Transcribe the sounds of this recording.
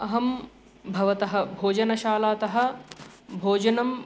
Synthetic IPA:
ɐɦɐm | bʱɐʋɐt̪ɐɦɐ̆bʱoːd͡ʒɐnɐʃaːlaːt̪ɐɦɐ̆ | bʱoːd͡ʒɐnɐm

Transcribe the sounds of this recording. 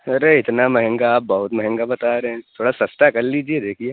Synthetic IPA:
ɐɾeɪt̪namɛɦɛ̃ŋɡaaːp̚bɐɦʊt̪mɛɦɛ̃ŋɡabɐt̪aɾɛɦɛ̃t̪ʰoːɽasɐst̪akɐɾliːd͡ʒied̪eːkʰieː

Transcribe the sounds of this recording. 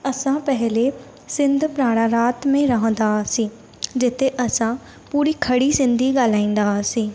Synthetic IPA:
əsãːpɛɦleː | sɪnd̪ʱpɾaːɽ̃ãːɾaːt̪mẽːɾəɦə̃nd̪aːsĩː | d͡ʒɪt̪ʰeːʔəsãː | puːɾiːkʰəɽiːsɪ̃nd̪ʱiːɡalaːĩːn̆d̪aːsĩː

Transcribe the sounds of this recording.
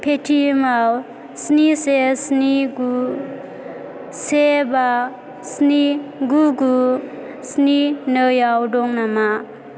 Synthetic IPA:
pʰetʰimaw | snisesniɡu | seba | sniɡuɡu | sninɯjawdɔŋnama

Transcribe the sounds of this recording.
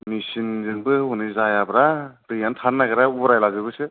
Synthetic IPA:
misinzɯŋbɯunɯzajabɾad̥ɯjantʰanːaɡɯɾaubɾajlaɡɯbɯsɯ

